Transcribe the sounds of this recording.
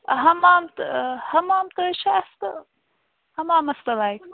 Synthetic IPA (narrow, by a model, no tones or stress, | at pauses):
ɦɐmaːmt̪hɐmaːmt̪ɐʃʰɐɐst̪ɐ | hɐmaːmɐst̪ɐlajk